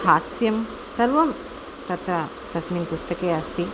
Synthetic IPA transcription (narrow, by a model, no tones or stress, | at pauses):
hasjɐm | sɐɾʋɐm | t̪ɐt̪ɾa | t̪ɐsminpust̪ɐkeɐst̪i